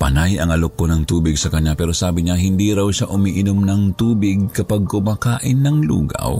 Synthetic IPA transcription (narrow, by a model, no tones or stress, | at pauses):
pɐnajɐŋɐlokːonɐŋt̪uːbɪɡsɐkɐɲːapɛːɾosaːbɪɲaɦɪnd̪iɾawʃaʔʊmiʔɪnomnɐŋt̪uːbɪɡ̚kɐpaɡ̚komakaːʔɪnːɐŋlṵːɡa̰w